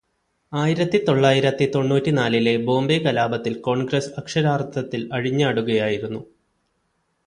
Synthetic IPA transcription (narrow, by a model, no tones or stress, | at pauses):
aːjiɾɐt̪ːit̪o̞ɭːaːjiɾɐt̪ːit̪o̞ɳːuːtːinaːlile̞bo̞ːmbekɐlaːbɐt̪ːilko̞ːɳɡɾɐsɐkʂɐɾaːrt̪ʰɐt̪ːilɐɻiɲːaːɽuɣɐjaːjiɾunːu